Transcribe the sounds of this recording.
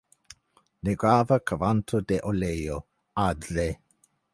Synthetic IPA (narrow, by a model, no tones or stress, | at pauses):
neɡɹavəkʰəvantʰodeʔolejo | adɾe